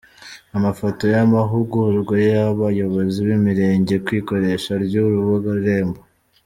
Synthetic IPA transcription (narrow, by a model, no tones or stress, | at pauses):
amafoto̞jamaɦuɡuɾuɡojejaβajo̞βo̞ziwimiɾe̞ːɲɟe̞kwiːko̞ɾe̞ʃaɾjuɾuβoɡaɾuɾe̞ːmbo